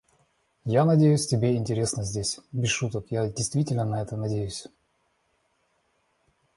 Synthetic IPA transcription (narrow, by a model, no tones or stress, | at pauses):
janɐdʲejʉsʲtʲɪbʲeɪnʲtʲɪɾʲe̞snəzʲdʲesʲbʲɪʂut̪əkjadʲɪjst̪vʲitʲɪlʲnənɐɛt̪ənɐdʲejʉsʲ